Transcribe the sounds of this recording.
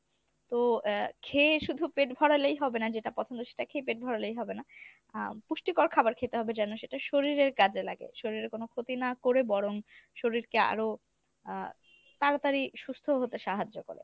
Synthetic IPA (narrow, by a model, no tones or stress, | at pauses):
t̪okʰeʃud̪ʱupeʈbʱɔɽalejɦɔbenad͡ʑeʈapɔtʰond̪oʃe̥ʈakʰepeʈ̚bʱɔɽalejɦɔbena | puʃʈikoɾkʰabaɾkʰet̪eɦɔbed͡ʑɛnoʃeʈaʃoɾiɾeɾkad͡ʑela̰ɡḛʃoɾiɾeɾkonokʰot̪inakoɾebɔɽoŋʃoɾiɾkea̰ɾo | t̪aɾat̪aɾiʃust̪ʰoɦot̪eʃaɦad͡ʑːoko̰ɾḛ